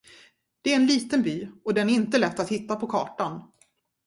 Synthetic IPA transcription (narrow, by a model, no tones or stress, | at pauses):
d̪̥ɛæɾɛnliːt̪ənbyːɔd̪ɛnæɾɪnt̪əlɛt̪ːat̪hɪt̪ːapʰɔkʰɑ̰ːʈan